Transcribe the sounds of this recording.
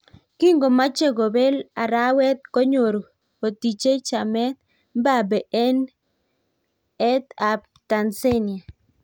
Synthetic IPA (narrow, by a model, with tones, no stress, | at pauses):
ki˦ŋɡo˨ma˦t͡ʃe˦ɡo˨be˦la˨ɾa˦wɛ˦t̪̚ko˦ɲo˨ɾo˨ | o˨ti˨t͡ʃe˦t͡ʃa˨mɛ˦t̪̚ | m˦ba˦˨bɛ˨ʔɛ˦n | ɛ˦t̪a˨p̚ | ta˨nse˦nɪ˨a˨